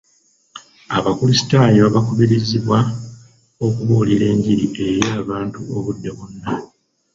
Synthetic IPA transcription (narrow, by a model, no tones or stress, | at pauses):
aβakulisi̥taːjoβaβakoβiɾiziβwa | o̞kuβoːliɾe̞ːɲɟiɾiʔe̞jaːβaːntuoβudːe̞βunːa